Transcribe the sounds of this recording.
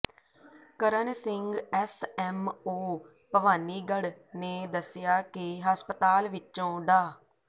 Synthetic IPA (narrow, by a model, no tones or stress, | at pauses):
kəɾənsɪŋɡɛːsɛːmoː | pəʋaːniːɡəɽ | neːd̪əsɪjaːkɪɦəspət̪aːlʋɪt͡ʃõːɖaː